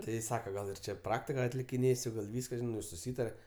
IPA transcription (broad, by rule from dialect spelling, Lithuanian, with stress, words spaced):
ˈtʲɪ ˈsɑːkɐ ˈɡɐlˠ ɪr ˈt͡ʃʲɛ ˈprɑːktʲɪkɐ ɐtʲlʲɪkʲɪˈnʲeːsʲʊ ɡɐlˠ ˈʋʲiːskɐ ʒʲɪˈnɐɪ jɛʊ sʊˈsʲiːtɐrʲɛ